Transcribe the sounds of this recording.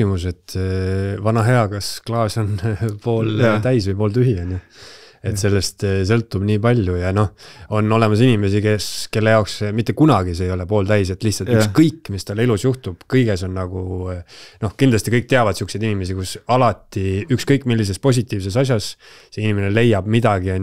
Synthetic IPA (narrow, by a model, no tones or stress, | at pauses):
imuse̞t̪ | vɑnɑɦe̞ɑkɑsklɑːso̞npoːlt̪æjsvɯjpo̞ːlt̪yɦiɑne | e̞t̪se̞lːe̞st̪s̬ɤ̞lt̪ːub̥niːpɑlʲjujɑno̞ho̞no̞le̞mɑsinime̞sike̞ske̞lːe̞jɑoksmit̪ːe̞kunɑɡ̥iseejo̞le̞po̞ːlt̪æjs̬e̞t̪ːˑlihtsɑlt̪ykskɤjkːˑmist̪ɑlilusjuht̪ub̥kɤjɡe̞so̞nːnɑɡ̥u | no̞hkind̪lɑst̪ikɤjk̚t̪eɑvɑd̥̪suksed̪inʲime̞s̬ikusɑlɑt̪ːˑiykskɤjkːˑmilːis̬e̞spo̞s̬ʲit̪ːˑiːvse̞sɑs̬ʲjɑsseinʲimenele̞jːɑb̥mid̪̥ɑɡ̥iɑn